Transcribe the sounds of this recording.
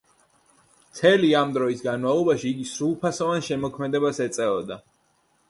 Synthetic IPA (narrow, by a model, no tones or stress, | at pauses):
mt̪sʰɛliamd̪ɾɔisɡanmavlˠɔbaʃiːɡisɾulˠpʰasɔvanʃɛmɔkʰmɛd̪ɛbasɛt̪sʼɛɔd̪a